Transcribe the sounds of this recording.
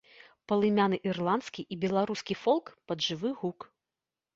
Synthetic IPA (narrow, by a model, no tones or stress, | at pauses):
pɐlˠɨmʲanɨʔirlˠant̪skʲiʔibʲɛlˠaɾuskʲifɔlˠkpɐd̪ʐɨvɨɣuk